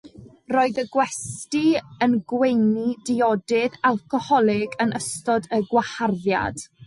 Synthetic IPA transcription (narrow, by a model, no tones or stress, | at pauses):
rɔːɨðəɡwɛstiənɡwejnidɪɔdɪðalˠkɔhɔlˠɪɡənəstɔdəɡwaharðja̰d̥